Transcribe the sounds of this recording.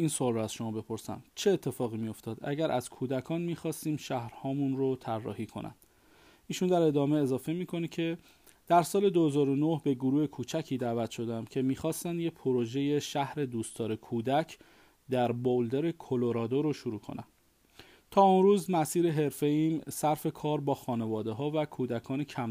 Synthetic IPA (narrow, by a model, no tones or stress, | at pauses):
iːnsoɒlɾoæz̥ʃo̞mɒːbe̞pʰo̞ɾsæ̰mt͡ʃʰeːt̪ʰːe̞fɒːɣimijo̞ft̪ɒːd̪æ̰ɟæɾʔæz̥kʰuːd̪ækʰɒːnmiːxɒːst̪iːmʃæhɾhɒːmunɾot̪ʰærːɒ̰ːhiːkʰo̞̰nʔæ̰nd̪̥ | iːʃund̪æɾe̞d̪ɒːmeezɒːfe̞miːkʰo̞necʰe̞ | d̪̥æɾsɒːle̞d̪ohezɒːɾo̞nohbe̞ɡoɾuːhekʰuːt͡ʃʰæcʰiːd̪æːvæt̪ʃo̞d̪eæmcʰe̞miːxɒːst̪ænd̪jepʰoɾoʒe̞je̞ʃæhɾe̞d̪uːst̪ɒːɾekʰuːd̪æcʰ | d̪æɾbold̪eɾe̞kʰoloɾɒːd̪oɾoʃuɾuːkʰo̞̰næ̰n | t̪ʰɒːonɾuːzmæsiːɾe̞ɦe̞ɾfe̞iːmsæɾfe̞kʰɒːɾbɒːxɒːne̞vɒːd̪e̞ɦɒːvækʰuːd̪ækʰɒːnecʰæm